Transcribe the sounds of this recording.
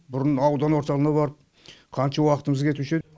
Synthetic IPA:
bʊɾənɑwd̪ɑnwoɾt̪ɑlˠənɑbɑɾəp̚ | qʰɑnʃɑwɑqə̥t̪əməzkʲʰe̞t̪ɪʃe

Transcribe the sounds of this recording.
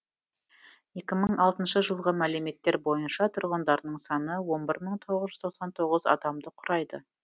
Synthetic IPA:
je̞kʲɪməɴɑlˠt̪ənʃəʒəlˠʁəmæle̞me̞t̪ːe̞ɾbo̞jənʃɑt̪ʰʊɾʁənd̪ɑɾnəɴsɑnəwo̞nbɪɾməɴt̪ʰo̞ʁəzʒʏzt̪ʰoqsɑnt̪ʰo̞ʁəzɑ̰d̪ɑmd̪əqʰʊɾɑjd̪ə̰

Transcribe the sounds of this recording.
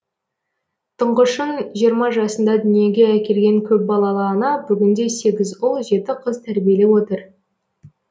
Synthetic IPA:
t̪ʰəɴʁəʃənʒijəɾmɑʒɑsənd̪ɑd̪ʏnije̞ɡʲe̞ækʲe̞ɾɡʲe̞ŋkʲʰɵp̚bɑlˠɑlˠɑənɑbʏɡʲɪnd̪e̞se̞ɡʲɪzʊlˠʒe̞t̪ɪqʰəzt̪ʰæɾbije̞le̞wot̪əɾ

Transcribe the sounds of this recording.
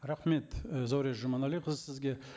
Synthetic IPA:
ɾaχme̞t̪zawɾeʒomɑnalʲijqʰəzəsɪzɡʲe̞

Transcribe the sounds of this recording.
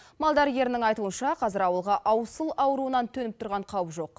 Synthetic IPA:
mɑlˠd̪ɑɾɡʲe̞ɾɪnɪŋɑjt̪uənʃɑqʰɑzɪɾɑwəlˠʁɑʔɑwsəlˠɑwɾuənɑnt̪ʰɵnɪp̚t̪ʰʊɾʁɑɴqʰɑwəpʒo̞q̚

